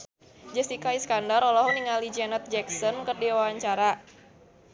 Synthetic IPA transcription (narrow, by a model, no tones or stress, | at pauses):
d͡ʒəsd̪ikaiskandaɾɔlɔɦuniŋalid͡ʒɛnət̪̚d͡ʒɛksɔnkərdiwawaɲt͡ʃaɾa